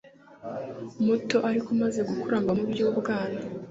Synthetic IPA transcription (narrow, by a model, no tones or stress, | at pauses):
muto̞ʔaɾikumaze̞ɡukuɾaːmbamubjoβɡaːna